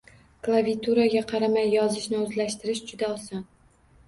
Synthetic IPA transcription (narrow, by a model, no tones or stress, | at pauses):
klˠavit̪ʰuɾaɡʲaqʰɑɾamajːɒzɪʃnɪɵzlaʃt̪ɪɾɪʃd͡ʒʊd̪aɒsɒn